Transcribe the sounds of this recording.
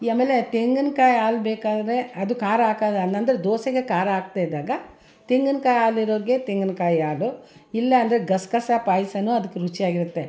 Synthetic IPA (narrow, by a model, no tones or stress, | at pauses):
iaːmeːlːet̪eŋɡɐnkaːjaːlubeːkaːd̪ɐɾe̞ɐd̪ukaːɾɐaːkaːd̪ɐnd̪ɐnd̪ɐɾed̪oːsɐɡekaːɾɐaːk̚t̪aːjid̪aːɡɐ | t̪eŋɡɐnkaːjaːliɾoɾiɡe̞ːt̪eŋɡɐnkaːjaːluilːɐːnd̪ɐɾeɡɐskɐsapaːjsɐnuɐd̪ɐkːeɾut͡ʃiaːɡiɾut̪ːe̞